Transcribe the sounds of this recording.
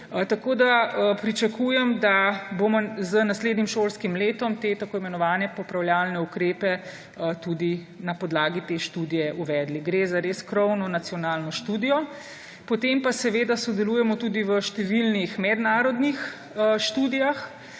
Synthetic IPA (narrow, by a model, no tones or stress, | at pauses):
t̪akod̪apɾit͡ʃakujɛmd̪abomɔzənasleːd̪nimʃoːlskimleːt̪ɔmt̪eːt̪akoːimɛnɔʋaːnɛpɔpɾawljaːlnɛukɾeːpɛ | t̪ud̪i | napɔd̪laːɡit̪eːʃt̪uːd̪ijɛʔuʋɛd̪liɡɾezaɾeskɾɔwnɔnat̪sijɔnaːlnɔʃt̪uːd̪ijɔ | pɔt̪empasɛʋeːd̪asɔd̪ɛluːjɛmɔt̪uːd̪iʋəʃt̪ɛʋilnixmɛd̪naːɾɔd̪nix | ʃt̪uːd̪ijax